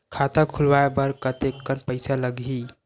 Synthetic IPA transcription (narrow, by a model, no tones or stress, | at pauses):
kʰat̪akʰulʋaebəɾkət̪ekːənpəɪsaləɡi